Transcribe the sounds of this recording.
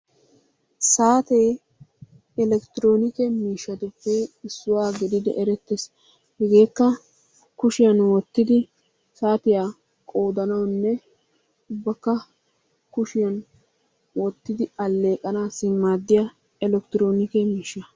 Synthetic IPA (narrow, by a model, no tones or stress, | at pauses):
saːt̪eː | ɛlɛkt̪ɪɾo̞ːnɪkɛmiːʃːɐt̪ʊpːɛɪsːʊwaːɡɪd̪ɪd̪ɛ̰ʔɛɾɛt̪ːes | hɛɡe̞ːkːɐ | kʊʃɪjɐnwɔt̪ːɪd̪ɪ | saːt̪ɪjaː | kʼo̞ːd̪ɐnɐwnːɛ | ʊbːɐkːɐ | kʊʃɪjɐn | wɔt̪ːɪd̪ɪɐlːe̞ːkʼɐnaːsɪmːaːd̪ːɪja | ɛlɛk̚t̪ɾoːnɪkɛmiːʃːɐ